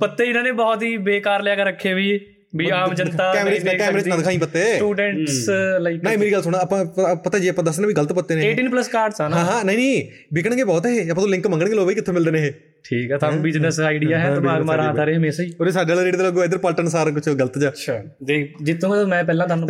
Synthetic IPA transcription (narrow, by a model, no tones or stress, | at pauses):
pət̪ːeːɪnãːneːbɔːt̪ɦiːbeːkaːɾljaːkəɾəkʰːeːʋiː | biːaːmd͡ʒə̃nt̪aːkɛːmɾeːt͡ʃnːkɛːmɾeːt͡ʃnad̪kʰaːĩːpət̪ːeuːɖɛɳʈslaknaeːmeːɾiːɡəlsʊɽaəpãːpət̪aːd͡ʒiːəpãːd̪əsd̪ːnãːbiːɡələt̪pət̪ːeːneeːʈiːnpləskaːɾɖsãːɦãːɦãːnəĩːniː | bɪkəɽ̃ə̃ɡeːbɔːt̪ːɦeːɐpãːt̪oːlɪ̃ŋkmə̃ŋɡəɽ̃ŋɡeːloːbiːkɪt̪ʰːẽːmɪld̪eːneːɦeː | ʈʰiːkɦɛːt̪aːñːbɪd͡ʒnəsaːiɖɪjaːɦɛːt̪ːbaaːɾãːd̪aːɾeːɦəmeːsaːiːoːɾesaːɖeːlːɾeːɖiːləɡoːɪd̪əɾpəlʈənsaːɾkʊt͡ʃʰɡələt̪d͡ʒaːət͡ʃʃʰaː | d̪eːd͡ʒɪt̪ʰːũːmɛ̃ːpɛːlãːt̪ʰaːnũ